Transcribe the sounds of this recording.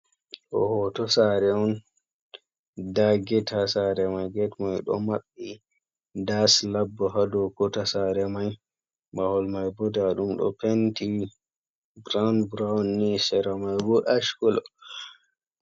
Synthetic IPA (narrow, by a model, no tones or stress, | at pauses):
ʔɔ̰hɔtɔsaɾɛɔn | daɡɛtʰasaɾɛmajɡɛtmajɗɔ̰maɓːi | daslabːɔɦadɔkɔtasaɾɛmaj | bahɔlmajbɔdaɗumɗɔ̰penti | bɾawnbɾawnːisɛɾamajbɔʔaʃkɔl